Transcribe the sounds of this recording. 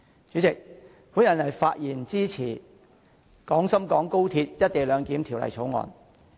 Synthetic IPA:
t͡syː˨˥t͡sɪ˨k̚ | pʰuː˨˥njɐ˨˩nɐ˨˩jfaː˧t̚jiː˨˩nt͡siː˥t͡sʰiː˨˩ | kɔː˨˥ŋsɐ˥mkɔː˨˥ŋko˥wt̪ʰiː˧t̚jɐ˥t̚t̪e˨jlœː˨˧ŋkiː˨˥mt̪ʰi˨˩wlɐ̰˨˩jt͡sʰo˨˥wŋɔ̰ː˧n

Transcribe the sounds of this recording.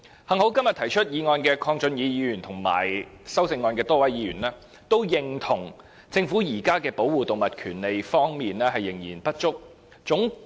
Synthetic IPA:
hɐ˨˩ŋho˨˥wkɐ˥mjɐ˨t̪ʰɐ˨˩jt͡ʃʰɵ˥t̚jiː˨˧ŋɔː˧nkɛː˧kʰɔː˧ŋt͡ʃɵ˨njiː˨˧jiː˨˧ɥyː˨˩nt̪ʰʊ˨˩ŋma̰ː˨˩jsɐ˥wsɪ˧ŋːɔː˧nkɛː˧t̪ɔː˥wɐ˨˥jjiː˨˧ɥyː˨˩nɛː˥ | t̪o˥wjɪ˨ŋt̪ʰʊ˨˩ŋ | t͡sɪ˧ŋfu˨˥jiː˨˩kaː˥kɛː˧po˨˥wwuː˨˩t̪ʊ˨ŋmɐ˨t̚kʰyː˨˩nle˨jfɔː˥ŋmiː˨nlɛː˥ɦɐ˨jːɪ˨˩ŋjḭː˨˩npɐ˥t̚t͡ʃʊ˥k̚ | t͡sʊ˨˥ŋ

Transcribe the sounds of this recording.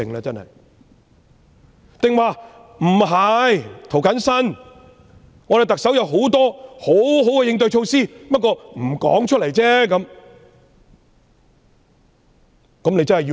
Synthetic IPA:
ɪ˨ŋlaː˧t͡sɐ˥nhɐ̰˨j | t̪ɪ˨ŋwaː˨˧ | m̩˨˩ɦɐ˨jt̪ʰo˨˩wkɐ˨˥nsɐ˥n | ŋɔ˨˧ɾe˨jt̪ɐ˨k̚sɐ˨˥wjɐ˨˧wɦo˨˥wt̪ɔː˥ho˨˥wɦo˨˥wkɛ˧jɪ˧ŋt̪ɵ˧ɥt͡ʃʰo˧wsiː˥pɐ˥t̚kːɔː˧m̩˨˩kɔ̰ː˨˥ŋt͡ʃʰɵ˥t̚lɐ˨˩jt͡sɛː˥kɐ˨˥m | kɐ˨˥mne˨˧jt͡sɐ˥nhɐ˨jiː˧

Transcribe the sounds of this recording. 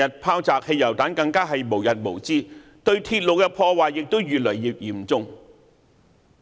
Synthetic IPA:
ɐ˨t̚pʰaː˥wt͡saː˨k̚he˧jːɐ˨˩wt̪aː˨˥nkɐ˧ŋkaː˥ɦɐ˨jmo˨˩wjɐ˨t̚mo˨˩wt͡siː˥ | t̪ɵ˧ɥt̪ʰiː˧t̚lo˨wkɛ˧pʰɔː˧waː˨˩jjɪ˨k̚t̪o˥wjyː˨t̚lɵ˨˩ɥjiː˨p̚jiː˨˩mt͡sʊ˧ŋ

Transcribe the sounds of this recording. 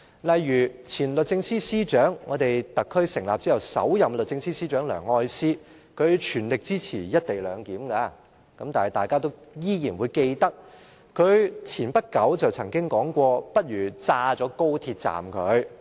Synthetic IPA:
lɐ˨jːyː˨˩t͡sʰiː˨˩nlɵ˨t̚t͡sɪ˧ŋsiː˥siː˥t͡ʃœː˨˥ŋːɔː˨˧t̪e˨jt̪ɐ˨kʰːɵ˥ɥsɪ˨˩ŋlaː˨p̚t͡si˥jɐ˨˩wsɐ̰˨˥wjɐ˨mlɵ˨t̚t͡sɪ˧ŋsiː˥siː˥t͡ʃœː˨˥ŋlœ̰ː˨˩ŋhɔː˧˥jsiː˥ | kʰɵ˨˧ɥt͡ʃʰyː˨˩nlɪ˨k̚t͡siː˥t͡sʰiː˨˩jɐ˥t̚t̪e˨jlœː˨˧ŋkiː˨˥mkaː˧ | kɐ˨˥mt̪aː˨hɐ˨jt̪aː˨˩jkaː˥t̪o˥wjiː˥jiː˨˩nwuː˨˧jke˧jt̪ɐ˥k̚ | kʰɵ˨˧ɥt͡sʰiː˨˩npɐ˥t̚kɐ˨˥wt͡sɐ˨wt͡sʰɐ˨˩ŋkɪ˥ŋkɔː˨˥ŋkʷɔː˧pɐ˥t̚jyː˨˩t͡saː˧t͡sɔː˨˥ko˥wt̪ʰiː˧t̚t͡sa̰ː˨mkʰɵ˨˧ɥ

